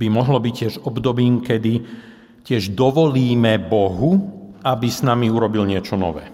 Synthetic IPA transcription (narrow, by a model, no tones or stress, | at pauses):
bimɔɦlɔbiccɪɛʒɔbd̪ɔbiːmkɛd̪i | cɪɛʒd̪ɔʋɔliːmɛbɔɦuabisnamiuɾɔbilɲɪɛt͡ʃɔnɔ̰ʋɛ̰ː